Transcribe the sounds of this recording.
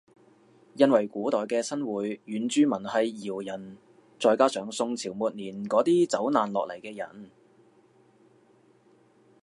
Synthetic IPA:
jɐ˨˧nwɐ˨˩jkuː˨˥t̪ɔː˨jkɛː˧sɐ˥nwuː˨˥jːyː˨˥nt͡ʃyː˥mɐ˨˩nhɐ˨jːiː˨˩wjɐ˨˩n | t͡sɔː˧jkaː˥sœː˨˥ŋsʊ˧ŋt͡sʰiː˨˩wmuː˨t̚niː˨˩nkɔː˨˥t̪iː˥t͡sɐ˨˥wnaː˨nlɔː˨k̚lɐ̰˨˩jkɛː˧jɐ̰˨˩n

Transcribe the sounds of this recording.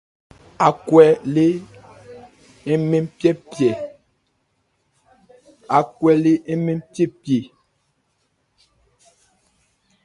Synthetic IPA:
a˨kwɛ˨le˦ | ɛ˦me˦mpjɛ˦pjɛ˨ | a˨kwɛ˨le˦e˦me˦mpje˦pje˨

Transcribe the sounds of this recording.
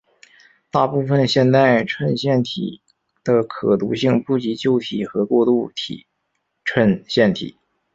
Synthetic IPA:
t̪a˥˧pu˥˩fə˩nɕjɛ˥˧nt̪a˥˧ɪʈ͡ʂʰwə˥˧nɕjɛ˥˩nt̪ʰḭ˨˩ | d̪̥ə˧kʰɤ˨˩t̪u˧˥ɕi˥˧ŋpu˥˩t͡ɕi˧˥t͡ɕjo˥˩ʊt̪ʰi˨˩xɤ˧˥kwɔ˥˧t̪u˥˩t̪ʰḭ˨˩˦ | ʈ͡ʂʰwə˥˧nɕjɛ˥˩nt̪ʰḭ˨˩˦

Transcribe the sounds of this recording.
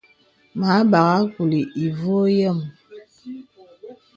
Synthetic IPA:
ma˨˦ba˨ɣa˦ku˨li˨i˨vo˦jɛ˦˨m

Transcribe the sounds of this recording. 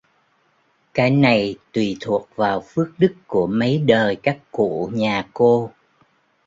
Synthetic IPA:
kaː˨˦jna˨˩jt̪wi˨˩t̪ʰu˨˩ək̚vaː˨˩wfɨ˦˥ək̚ɗɨ˦˥kkːu˧˩əmə˨˦jɗəː˨˩jkaː˦˥kːṵ˧˨ɲaː˨˩ko˧

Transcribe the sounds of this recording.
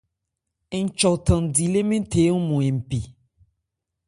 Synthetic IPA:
e˨ŋ̩˨t͡ʃɔ˨t̪ə̃˨ŋ˨di˨le˦mẽ˦t̪ʰe˨˦ŋũ˦mũ˨e˨m̩˨pi˨

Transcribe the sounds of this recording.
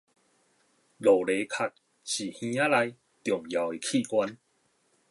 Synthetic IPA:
lo˨˩le˨˦kʰa˨t̚ | ɕi˨˩hĩ˧˦a˦la˧j | t̪jɔ˨˩ŋja˨˦we˨˩kʰi˥˧˨kwa˦n

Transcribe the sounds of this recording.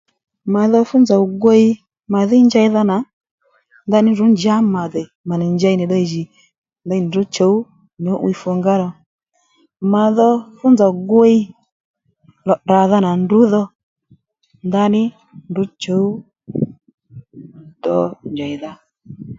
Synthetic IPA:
ma˨˦ðɔ˧fʊ˦nd͡za˨ɡwe˦i˦ | ma˨ðɪ˦nd͡ʒa˧i˦ða˧na˨ | nda˧nɪ˦ndu˨˦nd͡ʒa˦ma˨ðɛ˨ | ma˨ni˨ɲd͡ʒa˧i˦ni˨ɗɔ˧i˨ʒi˨ | nda˧˦˨n˨du˨˦t͡ʃɔ˨˦u˦ | ɲɔ˨˦ʔw̰i˧fɔ˧ŋɡa˦ɾɔ˨ | ma˨ðɔ˧fʊ˦nd͡za˨ɡe˦i˦ | lɔ˨ɗa˨ða˧na˨ndu˨˦ðɔ˧ | nda˧nɪ˦ | ndu˨˦t͡ʃɔ˨˦u˦ | dɔ˧nd͡ʒa˨i˨ða˨

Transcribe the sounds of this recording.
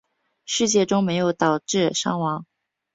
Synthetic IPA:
ʂɻ̩˥˧t͡ɕjɛ˥˩ʈ͡ʂʊ˥ŋme˧˥ɪjo˧˥ʊt̪ɑ˨˩ʊʈ͡ʂɻ̩˥˩ʂɑ̰˥ŋwɑ˧˥ŋ

